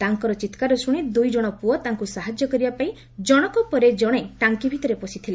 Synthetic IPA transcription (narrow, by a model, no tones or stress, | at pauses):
t̪aŋkɔɾɔt͡ʃit̪kaɾɔsuɽ̃id̪ujd͡ʒɔɽ̃ɔpuɔt̪aŋkusaɦad͡ʒjɔkɔɾibapaĩ | d͡ʒɔɽ̃ɔkɔpɔɾed͡ʒɔɽ̃et̪aŋkibʱit̪ɔɾepɔsit̪ʰile